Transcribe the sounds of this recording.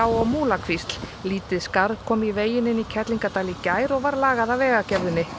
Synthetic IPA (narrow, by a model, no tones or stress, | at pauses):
awɔɣmuːlakʰvist̪l̥ | liːt̪ɪðskaɾðkʰɔːmiveːjɪnɪnicʰɛt̪liŋkat̪aːlicaːjɾɔɣvaɾlaːɣaðavɛːɣacɛvðʏnːɪ